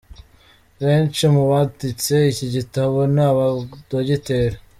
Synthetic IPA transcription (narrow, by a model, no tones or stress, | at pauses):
βe̞ːnt͡ʃimuβatit͡se̞iciɟitaβo̞naaβadoɟite̞ːɾa